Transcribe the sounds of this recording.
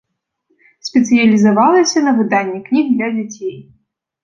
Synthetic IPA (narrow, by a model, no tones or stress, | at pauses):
sʲpʲɛt̪sɨjɐlʲizavalˠɐsʲɐnɐvɨd̪anʲːɛknʲiɣd̪lʲɐd͡zʲat͡sʲej